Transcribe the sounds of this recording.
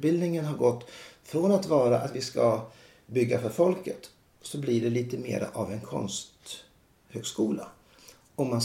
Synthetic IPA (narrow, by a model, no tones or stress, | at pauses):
bɪld̪nɪŋənɦaɾɡɔt̪ːfɾonat̪vɑːɾaʔat̪vɪska | bʏɡːafœɾfɔlkət̪ | sɔblɪɖɛliːt̪əmḛːɾa̰ʔavɛnkʰɔ̰nst̪ | høːɡskuːla | ɔmːan